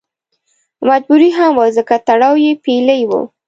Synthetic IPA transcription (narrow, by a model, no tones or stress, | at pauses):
mad͡ʒbuɾiɦamwəzəkat̪aɽɑwjepeləjwə̰